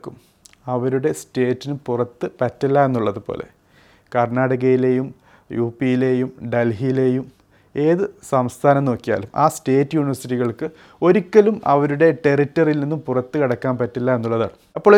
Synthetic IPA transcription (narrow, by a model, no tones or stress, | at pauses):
kːum | ɐʋɐɾuɽe̞ste̞ːtːinupurɐt̪ːɨpɐtːɐlːaenːuɭːɐðupo̰ːlʔe̞̰ | kɐrɳaːɽɐɣɐjile̞ːjum | juːpːijile̞jumɖelɦijle̞ːjum | e̞ːðɨsɐmst̪ʰaːnɐmno̞ːkːija̰ːlumʔa̰ːste̞ːtːɨjuːniʋɐrsitiɣɐɭkɨ | o̞ɾukːɐlumɐ̰ʋɐɾuɽe̞ʈe̞ritːɐrilninːumpurɐt̪ːɨkɐɽɐkːaːnpɐtːɐlːae̞nːuɭːɐða̰ːɳu | ɐpːoːɭ